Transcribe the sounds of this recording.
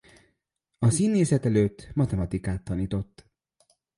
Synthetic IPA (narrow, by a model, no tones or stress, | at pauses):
ɒsiːnːeːsɛt̪ɛløːt̪ːmɒt̪ɛmɒt̪ikaːt̪ːɒniːt̪o̞t̪ː